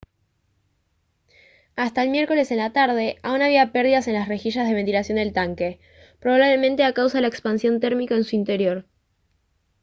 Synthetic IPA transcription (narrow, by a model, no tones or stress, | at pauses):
ast̪aelmje̞ɾko̞le̞se̞nlat̪aɾð̞e̞ʔaunaβ̞iapeɾðiðase̞nlasre̞xiʃazð̞e̞βent̪ilasjo̞nd̪elt̪aŋke̞ | pɾo̞βaβle̞mẽ̞nt̪e̞akawsaðlaekspansjo̞nt̪e̞ɾmikaensuint̪e̞ɾjo̞ɾ